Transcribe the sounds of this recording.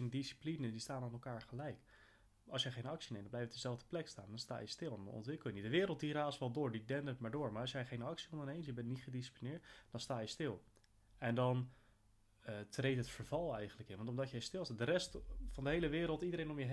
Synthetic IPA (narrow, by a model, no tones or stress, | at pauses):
ndisi̥plinədistaːnanɛlˠkaːɹχəlɛjk | ɑlˠsjɛjχejnɑksinejmdmlɛjfətdəzɛlˠvdəplɛksta̰ːndɑnsta̰ːjəstɪlˠɛndɑ̰nʔɔ̰ntʋɪkəlˠjənitdəʋɪːɾəlˠt̚diraːsʋɛlˠdʊːɹdidɛndəətmaːɹdʊːɹmaːɹɑs̬jɛjχejnɑksiɔ̃ndəɹnejms̬jəbɛnnitχədisi̥plinɪːɹtd̥ɑnstaːjəstɪlˠ | ɛndɑn | trejtɦətfəɹvɑlˠɛjχənləkɪ̰nʋɑntɔmdɑtjɛjstɪlˠsadəɾɛstfɑndəɦejləʋɪːɾəlˠtidəɾejnɔmjə